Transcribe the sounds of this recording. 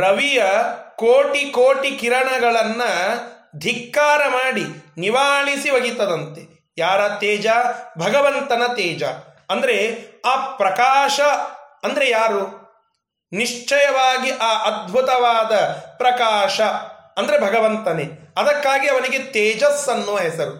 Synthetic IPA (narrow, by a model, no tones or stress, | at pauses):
ɾɐʋijɐkoːʈikoːʈikiɾɐɳɐɡɐɭɐnːɐ | d̪ʱikːaːɾɐmaːɽiniʋaːɭisiʋɐɡit̪ːɐd̪ɐnt̪e | jaːɾɐt̪ɛːd͡ʒabʱɐɡɐʋɐnt̪ɐnɐt̪ɛːd͡ʒɐ̰ | ɐnd̪ɐɾe̞aːpɾɐkaːʂɐɐnd̪ɐɾe̞jaːɾu | niʂt͡ʃɐjɐʋaːɡiʔaːʔɐd̪̚bʱut̪ɐʋaːd̪ɐpɾɐkaːʃɐɐnd̪ɐɾe̞bʱɐɡɐʋɐnt̪ɐneɐd̪ɐkːaːɡiɐʋɐniɡet̪eːd͡ʒɐsɐnːuʋɐɦɛsɐɾu